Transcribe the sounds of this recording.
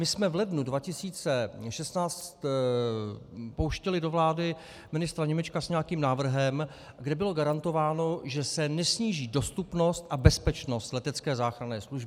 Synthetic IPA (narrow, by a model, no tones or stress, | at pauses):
mɪsmɛvlɛdnudvacɪsiːt͡sɛʃɛst̪naːt͡st̪ | powʃcɛlɪdo̞vlaːdɪ | mɪnɪst̪ɾaɲɛmɛt͡ʃkasɲɛjakiːmnaːvr̩ɦɛm | ɡdɛbɪlo̞ɡaɾant̪o̞vaːno̞ʒɛsɛnɛsɲiːʒiːdo̞st̪upno̞st̪ʔabɛspɛt͡ʃno̞st̪lɛt̪ɛt͡skɛːzaːxɾanɛːsluʒbɪ